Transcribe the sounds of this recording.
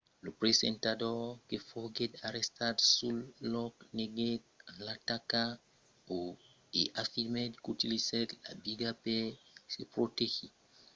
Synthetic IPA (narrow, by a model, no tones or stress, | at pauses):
lupɾesɛntadɔkefoɡedaɾɛstadsulːɔkneɡet̚alataka | o | eʔafimetkutilisɛtla̰biɡapesepɾotexi